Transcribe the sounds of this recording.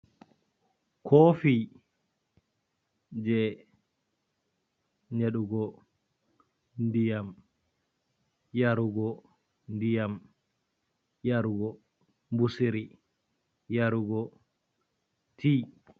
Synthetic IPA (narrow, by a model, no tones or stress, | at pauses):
kʰofiː | d͡ʒɛ | ɲeɗuɡɔ | ndijam | jaɾuɡɔ | ndijam | jaɾuɡɔ | mbusiɾi | jaɾuɡɔ | tʰiː